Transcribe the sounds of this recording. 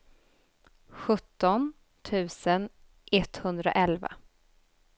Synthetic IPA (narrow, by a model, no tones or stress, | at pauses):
ɧɵt̪ːɔn | t̪ʰʉ̟ːsən | ʔɛt̪ːhɵnd̪ɾa̰ʔɛlva̰